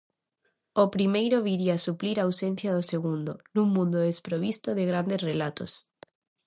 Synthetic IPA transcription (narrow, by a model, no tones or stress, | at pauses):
opɾimejɾoβiɾiasupliɾaːwsẽn̟θjaðoseɣũnd̪onũŋmũnd̪oðespɾoβ̞ist̪oðeɣɾand̪esrelat̪o̰s